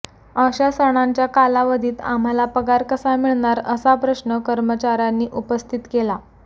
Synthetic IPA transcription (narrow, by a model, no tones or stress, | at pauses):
əɕasəɽ̃aɲt͡ɕjakalaʋəd̪ʱiːt̪a̰m̤alapəɡaɾkəsamiɭɳaɾəsapɾəɕnəkəɾmət͡ɕaɾanːiːʔupəst̪ʰit̪kela